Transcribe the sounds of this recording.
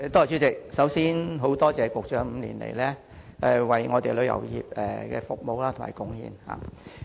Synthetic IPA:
t̪oː˥˨˩t͡ʃyː˥t͡sɪ˨k̚sɐ˨˥wsiː˥nɦo˨˥wt̪ɔː˥t͡sɛː˨kʊ˨k̚t͡ʃœː˨˥m̩ː˨˧lḭː˨˩nlḛ˨˩jlɛː˥ | ɛ˨˩wɐ˨jŋɔː˨˧t̪e˨jlɵ˨˧ɥjɐ̰˨˩wjḭː˨˩p̚ɛː˨˩kɛ̰ː˧fʊ˨k̚mo˨wlaː˥tʰma̰ː˨˩jkʊ˧˥ŋhḭː˧nha̰ː˨

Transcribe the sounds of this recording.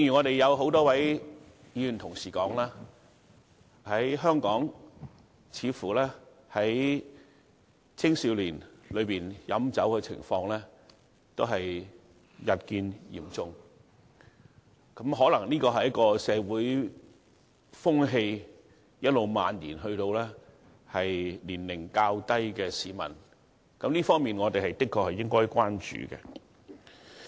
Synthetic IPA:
i˧ŋjy˨˩ŋɔː˨˧ɾe˨jɐ˨˧wɦo˨˥wt̪ɔː˥wɐ˨˥j | jiː˨˧y˨nt̪ʰʊ˨˩ŋsiː˨˩kɔ̰ː˨˥ŋlaː˥ | hɐ˨˥jɦœː˥ŋkɔː˨˥ŋ | t͡sʰiː˨˧fuː˨˩lɛː˥ | hɐ˨˥j | t͡sʰɪ˥ŋsiː˨˧wliː˨˩nlɵ˨˧ɥpiː˨njɐ˨˥mt͡sɐ˨˥wkɛ˧t͡sʰɪ̰˨˩ŋfɔː˧ŋlɛː˥ | t̪o˥ɦɐ˨j | jɐ˨t̚kiː˧njḭ˨˩mt͡sʊ˧ŋ | kɐ˨˥mɦɔː˨˥lɐ˨˩ŋliː˥kɔː˧hɐ˨jɐ˥kɔː˧sɛː˨˧wuː˨˥j | fʊ˥ŋɦe˧j | jɐ˥t̚lo˨wma̰ː˨nliː˨˩nɦɵ˧ɥt̪o˧wlɛː˥ | hɐ˨jliː˨˩nlɪ˨˩ŋkaː˧wt̪ɐ˥jkɛː˧siː˨˧mɐ̰˨˩n | kɐ˨˥mliː˥fɔː˥ŋmiː˨nŋɔː˨˧t̪e˨jhɐ˨˩jt̪ɪ˥kʰːɔː˧k̚hɐ˨jɪ˥ŋkɔː˥jkʷaː˥nt͡ʃy̰ː˨kɛ̰˧

